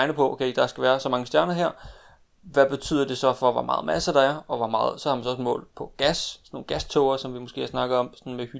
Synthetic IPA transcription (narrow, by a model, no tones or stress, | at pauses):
ɪnəpʰɒ̽ʔokʰeɪd̥ɑ̈sɡ̥æʋæːɐsɒ̽mɑ̈ŋəsd̥jæɐnɐɦeɐ̰ | ʋæb̥e̝t͡sʰy̰ð̰ˠɐd̥e̝sɒ̽fɒʋɒ̰mɑ̈ːð̞̩ˠmʔæsɐd̥ɑ̈æɐɒ̽ʋɒmɑ̈ːð̩ˠsɒ̽hɑ̈mænsɒ̽ɒ̽smɔ̰̽ːlpʰɒ̽ɡ̥æssno̝ːn̩ɡ̥æst͡sʰɔʊɐsɒ̽mʋimosɡ̥e̝̰ːsnɑ̈ɡ̥ɐɒ̽msɒnmehy